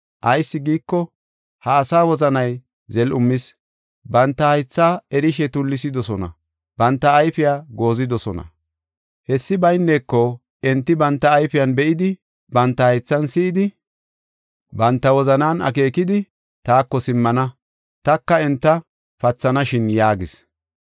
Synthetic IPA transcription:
ʔɐjsːɪɡiːkːɔ | hɐːsaːwɔzɐnɐj | zɛlʊmːɪs | bɐnt̪ːɐhɐjt͡sːaːɛɾɪʃɛt̪ʊlːɪs̬ɪd̪ɔsɔnɐ̰ | bɐnt̪ːɐːjfɪjaːɡo̞ːzɪd̪ɔsɔnɐ̰ | hɛsːɪbɐjnːeːkːɔ | ɛnt̪ːɪbɐnt̪ːɐːjfɪjɐnbɛʔɪd̪ɪ | bɐnt̪ːɐhɐjt͡sːɐnsɪɪd̪ɪ | bɐnt̪ːɐwɔzɐnaːnɐ̰k̬e̞ːkɪd̪ɪ | t̪aːkːɔsɪmːɐnɐ | t̪ɐkːɐɛnt̪ːɐ | fɐt͡sːɐnɐʃɪnjaːɡɪs

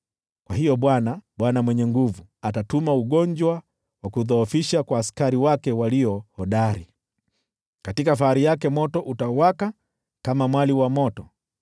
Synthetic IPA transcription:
kwahijɔɓwanaɓwanamwɛɲɛŋɡuvuatatumauɠɔɲd͡ʒwa | wakuðɔːfiʃakwaːskaɾiwakɛwaliɔhɔɗaɾi | katikafaaɾijakɛmɔtɔʔutawaka | kamamwaliwamɔtɔ

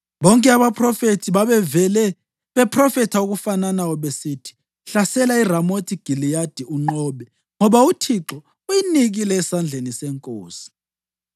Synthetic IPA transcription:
βɔŋkʼɛaβapʰrɔfetʰiβaβɛvɛlɛ | βɛpʰrɔfɛtʰauɣufananawɔβesiːtʰi̥ | ɬasɛlairamotʰiɡ̥ʱilijad̥ʱiuŋ͡ǃɔːɓɛ | ŋɔβautʰiǁɔ | ujiniɣilɛːsand͡ɮʱenisɛŋkʼoːsi̥

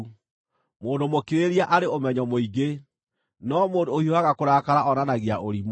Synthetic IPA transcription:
moːndomokiɾeɾiaʔaɾeomɛɲɔmoiɡe | nɔmoːndoːhioaɣakoɾaːkaɾaʔɔnanaɣeaʔoɾim

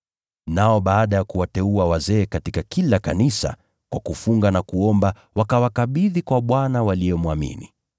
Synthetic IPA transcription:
naɔɓaːɗajakuwatɛuawazɛːkatikakilakanisa̰ | kwakufuŋɡanakuɔmba | wakawakaɓiðikwaɓwanawaliɔmuamḭni

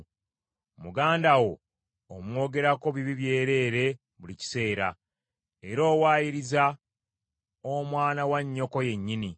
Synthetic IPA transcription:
muɡaːndawo̞ː | mwo̞ːɡe̞ɾako̞βiβiβje̞ːɾe̞ːɾe̞ | βulici̥se̞ːɾa̰ | eɾo̞ːwaːjiɾiza | omwaːnawaɲːo̞ko̞je̞ɲːini

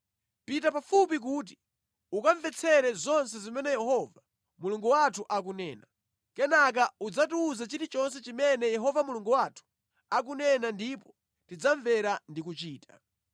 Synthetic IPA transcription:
pit̬apafup̬ik̬uːt̬i̥ | ukaɱvɛt͡sʰɛɾɛzɔnsɛzimɛnɛjɛhɔva | muluŋɡuwatʰuʔak̬unɛːna | kɛnak̬aud͡zatuːzat͡ʃitit͡ʃɔns̬ɛt͡ʃimɛnɛjɛɦɔvamuluŋɡuwatʰu̥ | akunɛnandipɔ̥ | tid͡zaɱvɛɾandikut͡ʃiːtʰḁ

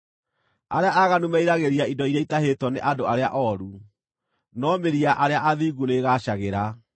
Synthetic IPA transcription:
aɾeaʔaɣanumɛiɾaɣeɾiaidɔiɾeitaɦetwɔneʔadoaɾeaʔɔɾu | nɔmeɾiaʔaɾeaʔaðiɣuneɣaɕaɣeɾa

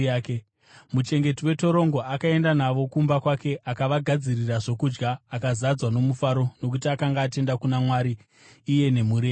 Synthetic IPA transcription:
ke | mut͡ʃe̞ŋɡe̞tiwe̞to̞ɾo̞ŋɡo̞akae̞ndanaʋo̞kumbakwake̞ʔakaʋaɡʱad͡ziriraʐo̞kud͡ʒɡaːkazad͡zwano̞mufaɾo̞no̞k̬utiakaŋɡaːte̞ndakunamwaɾiː | je̞ne̞muɾe

